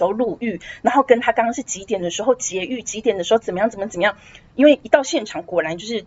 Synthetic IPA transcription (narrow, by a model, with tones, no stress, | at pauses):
ʊlu˥˧y˥˩na˧˥nxo˥˩ʊkə˦nt̪ʰa˥kɑ˥ŋkɑ˥ŋʂɻ̩˥˩t͡ɕi˧˥t̪jɛ˨˩nd̪ə˦ʂɻ̩˧˥xo˥˩ʊt͡ɕjɛ˨˧˥y˥˩t͡ɕi˧˥t̪jɛ˨˩nd̪ə˦ʂɻ̩˧˥xə˨˩mə˦jɑ˥˩ŋ˩t͡sə˨˩mə˧˩t͡sə˨˩mə˦jɑ˥˩ŋi˥nwe˥˩ɪʔi˧˥t̪ɑ˥˧ʊɕjɛ˥˩nʈ͡ʂʰɑ˨˩˦ŋkwɔ˧˥la˧˦nt͡ɕjo˥˧ʊʂɻ̩˥˩